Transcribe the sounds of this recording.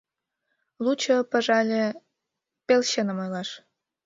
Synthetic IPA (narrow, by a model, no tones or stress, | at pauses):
lut͡ɕɤ̆pə̆ʒɑlʲĕ | pelɕenə̆mojlɑʃ